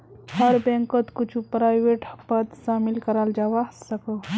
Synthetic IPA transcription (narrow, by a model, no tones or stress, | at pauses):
hɐɾbɛ̃ŋkot̪kut͡ʃʰupɾaːjʋeʈpɐt̪ʃaːmilkəɾald͡ʒaʋasəko